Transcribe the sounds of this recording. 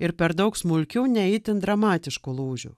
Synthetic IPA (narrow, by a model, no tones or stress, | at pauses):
ɪɾpʲɛɾd̪ɐʊksmʊlʲkʲuːnʲɛɛɪt̪ʲɪnd̪ɾɐmɑːt̪ʲɪʃkulˠuːʒʲṵ